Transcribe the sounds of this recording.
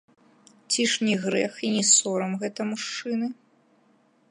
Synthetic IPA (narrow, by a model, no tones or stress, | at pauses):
t͡sʲiʂnʲiɣɾɛxinʲisɔɾɐmɣɛt̪ɐmuʂt͡ʂɨnɨ